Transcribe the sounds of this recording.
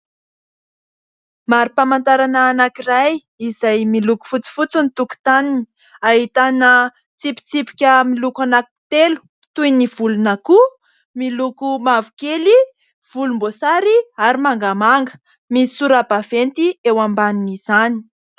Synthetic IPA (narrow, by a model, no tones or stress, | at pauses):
maɾipamant̪aɾanaːnakiraj | izajmiluku̥fut͡si̥fut͡sinit̪uku̥t̪anini | aɦit̪anə | t͡sipi̥t͡sipi̥kʲəmilukanaki̥t̪elu̥ | t̪ujniv̥ulunaku | milukumavukeli | v̥ulumbosaɾiaɾimaŋɡamaŋɡə̥ | misuɾabavent̪iewambaniniz̥ani̥